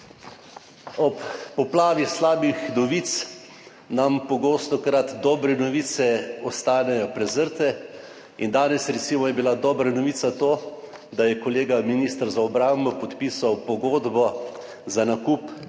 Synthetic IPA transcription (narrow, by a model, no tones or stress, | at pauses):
ɔpːɔplaːʋislaːbixnɔʋit̪s | nampɔɡoːst̪ɔkɾat̪d̪ɔːbɾɛnɔʋiːt̪sɛɔst̪aːnɛjɔpɾɛzəɾt̪ɛ | ind̪aːnɛsɾɛt̪simɔjɛbilad̪ɔːbɾanɔʋiːt̪sat̪oː | d̪ajɛkɔleːɡaminist̪ɾzaɔbɾambɔpɔt̪piːsawpɔɡoːd̪bɔ | zanakup